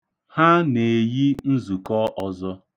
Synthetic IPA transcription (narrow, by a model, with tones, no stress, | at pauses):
ha˦ne˨ji˦n̩˦zu˨kɔ˦ʔɔ˨zɔ˦